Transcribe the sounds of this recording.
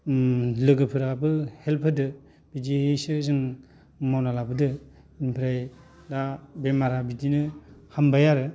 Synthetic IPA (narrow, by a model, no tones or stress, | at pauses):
lɯɡɯpʰɯɾabɯhelpʰɯdɯ | b̥idisɯzɯŋ | mawnalabɯdɯ | inpʰiɾaj | dabemaɾabidinɯhambajaɾɯ